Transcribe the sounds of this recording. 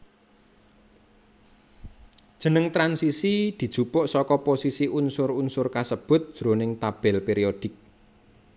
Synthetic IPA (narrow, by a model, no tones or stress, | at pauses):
d̥ʒ̥ə̤nəŋt̪ɾansisid̪̥i̤d̥ʒ̥ṳpʊʔsɔkɔposisiʔunsʊrunsʊrkasəb̥ʊ̤t̪̚d̥ʒ̥ɾonɪŋt̪ab̥ɛlpeɾiod̪̥ɪ̤k̚